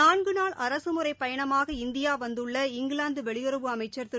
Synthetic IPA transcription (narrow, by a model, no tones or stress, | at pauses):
aːnɡɯnaːɭʔɐɾɐsɯmɯɾɐɪpːɐjɐɳɐmaːɣɐɪnd̪ɪjaːʋɐnd̪ɯɭːɐɪŋɡɪɭaːnd̪ɯʋɛɭɪjɔɾɯʋɯɐmɐɪt͡ʃːɐɾt̪ɪ